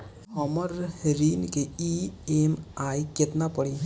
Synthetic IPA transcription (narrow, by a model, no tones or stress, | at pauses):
həməɾɾiːnkeiːeːmaːjket̪napəɽi